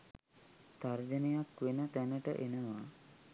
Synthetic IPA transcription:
t̪aɾd͡ʒənijakwenət̪ɛnəʈə̰ʔenəʋa

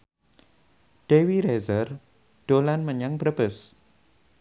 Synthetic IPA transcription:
ɖ̥ewiɾezər | ɖ̥olanməɲaŋbɾəbəs

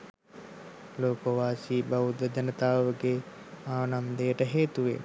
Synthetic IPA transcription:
loːkoʋaːsiːbaud̪əd̪ɐnət̪aːʋəɡe | aːnamd̪ejəʈəɦeːt̪uʋḛ

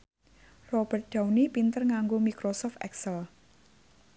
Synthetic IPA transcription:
rɔb̥ərt̪̚ɖ̪̥a̤wnipint̪ərŋaŋɡomikɾosɔft̪ʔɛksəl

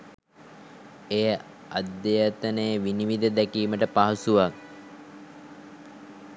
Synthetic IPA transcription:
ejə | ad̪ːejət̪ənejʋiniʋid̪əd̪ækiːməʈəpaɦɐsuʋak̚

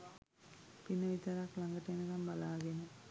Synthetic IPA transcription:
pinːəʋit̪ɐɾaklaŋɡəʈejnəkambalaːɡenə

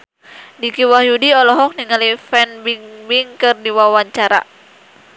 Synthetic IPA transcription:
dikiwahjudiɔlɔɦɔk̚niŋalifɛnbiŋbiŋkɨrdiwawaɲt͡ʃaɾa̰

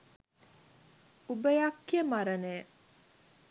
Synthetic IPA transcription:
ubəjakːijəmaɾənej

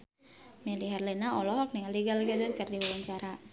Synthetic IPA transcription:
miliɦɛrlɛnaɔlɔɦɔk̚niŋaliɡalɡad̪ʊrkərdiwalaɲt͡ʃaɾa

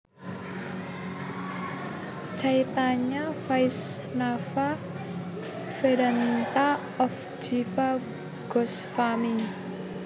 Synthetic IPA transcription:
t͡ʃait̪aɲafajsnafa | feɾant̪a | ɔf | d͡ʒifa | ɡ̥ɔsfami

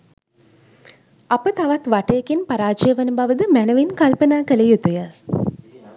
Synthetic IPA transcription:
apət̪aʋat̪ʋaʈəjekenpaɾaːt͡ʃəjəʋənəbaʋəd̪əmænəʋenkalpənaːkələjut̪ujə

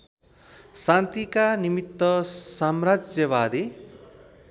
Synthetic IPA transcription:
sãnt̪ikanimit̪ːʌsamrad͡zjʌβad̪e

